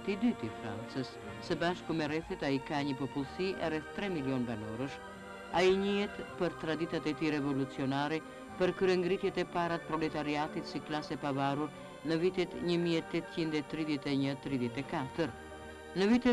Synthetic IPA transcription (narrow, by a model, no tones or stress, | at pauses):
t̪id̪yt̪ifɾa̰nt͡səsː | əbaʃkumɛrɛθɛt̪aikaɲəpɔpulˠsiʔɛ̰rɛθt̪ːɾɛmiliɔnbanɔɾəʃ | aiɲiɛt̪pəɾt̪ɾad̪it̪at̪ɛt̪iɾɛvɔlut͡siɔnaɾɛ | pəɾkɾɛŋɡɾit̪jɛt̪ɛpaɾat̪̚pɾɔlɛt̪aɾiat̪it̪siklasɛpavaruɾ | nəvit̪ɛt̪ɲəmiɛt̪ɛt̪t͡ɕind̪ɛt̪ɾiðjɛt̪ɛɲət̪ɾiðjɛt̪ɛkat̪əɾ | nəvit̪ɛ